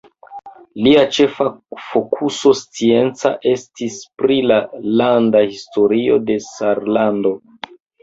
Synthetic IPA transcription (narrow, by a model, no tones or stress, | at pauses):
liat͡ʃe̞fafo̞kʰuso̞st͡sie̞nt͡sa̰ʔe̞stispɾilalandahisto̞ɾio̞de̞saɾlando̞